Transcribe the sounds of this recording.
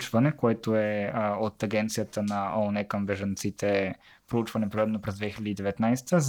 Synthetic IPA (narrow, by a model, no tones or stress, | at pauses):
t͡ʃvɐnɛkoɛt̪oɛot̪ɐɡɛnt̪sijət̪ənɐɔnɛkəmbɛʒɐnt̪sit̪ʰɛ | pɾout͡ʃvɐnɛpɾod̪ɛmnopɾɛzd̪vɛxilʲɛd̪id̪ɛvɛt̪najst̪ə